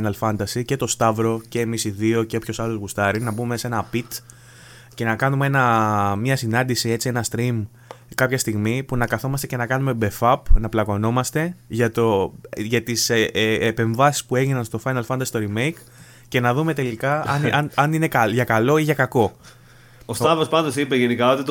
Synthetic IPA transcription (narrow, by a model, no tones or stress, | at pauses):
nɐlfɐnd̪ɐsice̞t̪o̞st̪ɐvɾo̞ce̞ːmisiðio̞ceopço̞sɐlozɣust̪ɐɾinɐbume̞se̞nɐpit̪ | ce̞nɐkɐnumee̞nɐmɲɐsinɐnd̪isie̞t͡sie̞nɐst̪ɾim | kɐpçɐst̪iɣmipunɐkɐθo̞mɐst̪ece̞nɐkɐnume̞be̞fɐpnɐplɐko̞no̞mɐst̪e̞ʝɐt̪o̞ʝɐt̪isːpe̞ɱvɐsi̥spue̞ʝinɐnst̪o̞fɐjnɐlfɐnd̪ɐst̪o̞ɾime̞jk | ce̞nɐðume̞t̪e̞likɐɐnɐnɐnine̞kɐʝɐkɐlo̞iʝɐkɐko̞ | ost̪ɐvospɐnd̪osipeʝenikɐot̪it̪